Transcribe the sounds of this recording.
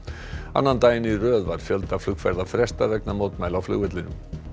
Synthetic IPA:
a̰nːant̪aːjɪnirœːðvaɾ̥fjœlt̪ḁflʏkfɛɾðafɾɛst̪avɛknamoːwt̪majlawflʏ̰ɣvɪt̪lɪnʏ̰m

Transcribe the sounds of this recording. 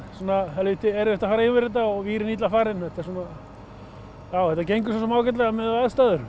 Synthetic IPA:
suːnaalvɪːt̪ɪɛɾɛht̪afaːɾaivɪɾɪt̪aɔɣviːɾɪnit̪lafaːɾɪnhɛht̪ḁsuːna | jawhɛht̪acejŋkʏsas̬ɔmaːwcɛt̪lɛɣamɛðaðst̪aːðʏɾ

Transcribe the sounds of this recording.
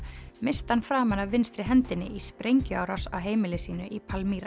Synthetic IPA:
mɪst̪hanfɾaːmanaːɪnst̪ɾɪɦɛnt̪ɪnːɪʔispɾejɲcʏaːwɾasa̰wɦeːjmɪlɪsiːnʏʔipʰalmiːɾa

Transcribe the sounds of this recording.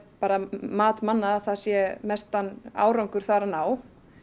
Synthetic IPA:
paːɾamaːt̪manːaaθasjɛmɛst̪anːa̰ːwɾawŋkʏɾ̥θaɾanaːw

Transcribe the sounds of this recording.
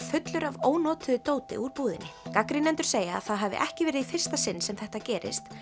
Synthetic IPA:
fʏt̪lʏɾavoːwnɔːt̪ʏðʏt̪oːwt̪ɪ̰ʔuɾpuːðɪ̰nːɪkakɾɪnɛnt̪ʏ̥ɾ̥seːja̰ːθaðɦavɪ̰ʔɛhcɪvɛːɾɪðifɪr̥st̪asɪnːsɛmθɛht̪acɛːɾɪ̰st̪

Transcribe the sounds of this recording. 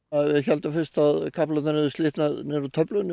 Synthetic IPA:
ðvɪðçɛlt̪afɪst̪aðkʰaplaanɪðʏst̪ɪːht̪naðnɛɾʏt̪ʰœplʏn

